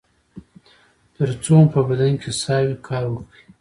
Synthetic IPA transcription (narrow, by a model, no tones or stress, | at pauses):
t̪əɾt͡sopəbad̪ankʰʲesɑwikʰɑɾwəkɽi